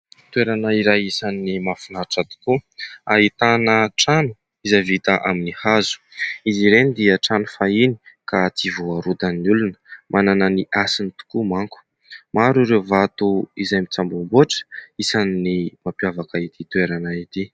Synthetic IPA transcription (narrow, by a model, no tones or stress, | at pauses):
t̪weɾanaiɾajisanːimafinaʈ͡ʂat̪u̥kuaɦit̪anəʈ͡ʂanu | izavit̪aʔaminihazu̥iziɾenid̪iəʈ͡ʂanu̥fainikat͡sivoaɾud̪anulunə̥mʔanananiʔasinit̪u̥kumaŋku̥ | maɾuɾewvat̪uizajmit͡sambumboʈ͡ʂə̥isannimapjavakait̪it̪ueɾanait̪i